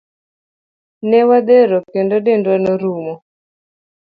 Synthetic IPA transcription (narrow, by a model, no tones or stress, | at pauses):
nɛwad̪eɾɔkendodendwanoɾumɔ